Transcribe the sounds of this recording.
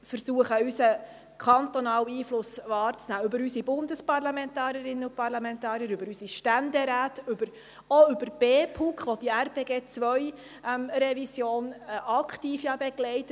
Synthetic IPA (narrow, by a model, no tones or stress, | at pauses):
fəɾsuəχəysə | kʰɑnt̪ɔnɑːwiːflʊsʋɑːɾt͡snæːøbəɾysibʊndəspɑrlɑmɛntɑːɾjəɾɪnːəʊpɑɾlɑmɛntɑːɾjəɾøbəɾysiʃtænd̪ɛɾæːtʉbəɾ | oʏbəɾb̥eːpʰukχʋɔd̥iærpeːɡeːt͡sʋœj | mɾɛvisjoːnɑkʰtiːfjɑbɛɡlɛɪt